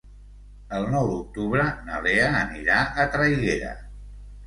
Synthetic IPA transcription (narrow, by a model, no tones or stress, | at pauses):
əlˠnɔwd̪uk̚t̪uβɾənəleəːniɾaʔət̪ɾajɣeɾə̰